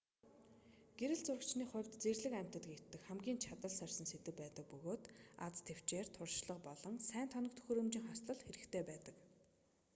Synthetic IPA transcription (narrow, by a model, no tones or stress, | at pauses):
ɡ̥eɾɘ̆ɮt͡sʊrə̆t͡ɕniːχʊ̟wʲt̪t͡serɮɘ̆kæm̥ʲt̪ə̆t̪ɡe̥t̪ːɘ̆kχæmɡʲiːnt͡ɕʰat̪ə̆ɮsœrʲsə̆nset̪ɘ̆k̚pæːt̪ə̆k̚pɵɣoːt̪a̰t͡st̪ʰew̥t͡ɕeːr̥t̪ʰʊrʃɮə̆q̚pɔɮɞ̆ŋsæːnt̪ʰɔnɞ̆kt̪ʰɵ̥xɵɾɵ̆mt͡ɕɪ̆ŋχasɮə̆ɮxeɾɘ̆kt̪ʰeːpæːt̪ə̆k